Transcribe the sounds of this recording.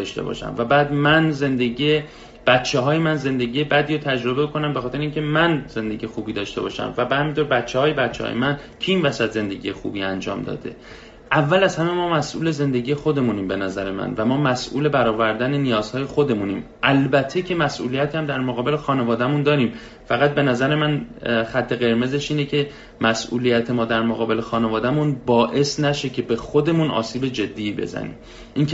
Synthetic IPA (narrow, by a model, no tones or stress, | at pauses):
ɒʃt̪ebɒ̰ːʃæ̰mvæbæːd̪mænze̞nd̪eɡie | b̥æt̪t͡ʃʰːe̞ɦɒːjemænze̞nd̪eɟije̞bæd̪iːɾot̪ʰæd͡ʒɾo̞bekʰo̞næmbexɒːt̪ʰeɾeiŋcʰe̞mænz̥e̞nd̪e̞ɟiːjexuːbiːd̪ɒːʃt̪e̞bɒ̰ːʃæ̰mvæbehæmint̪ʰoːɾbæt̪t͡ʃʰːehɒːje̞bæt̪t͡ʃʰːehɒ̰jemæn | cʰiiːnvæsæt̪ze̞nd̪e̞ɟije̞xṵːbiːænd͡ʒɒ̰ːmd̪ɒ̰ːd̪e̞̰ | ʔævːælæzhæme̞mɒːmæsʔṵːle̞ze̞nd̪e̞ɟiːjexo̞d̪e̞muːniːmbe̞næzæɾemæ̰nvæmɒːmæsʔṵːle̞bæɾɒːvæɾd̪ænenijɒːz̥hɒːje̞xod̪e̞munḭːm | ʔælbæt̪ʰːe̞cʰe̞mæsʔṵːlijæt̪ʰːæmd̪æɾmoɣɒːbe̞lexɒːne̞vɒːd̪æmund̪ɒːɾiːm | fæɣæt̪̚be̞næzæɾemænxæt̪ʰːe̞ɣe̞ɾme̞zeʃiːnecʰe̞ | mæsʔṵːlijæt̪ʰe̞mɒːd̪æɾmoɣɒːbe̞lexɒːnevɒːd̪æmunbɒːʔe̞snæʃe̞cʰe̞be̞xod̪e̞muːnʔɒ̰ːsiːbe̞d͡ʒe̞d̪ːiːbe̞̰zæ̰nḭːm | ʔiːncʰ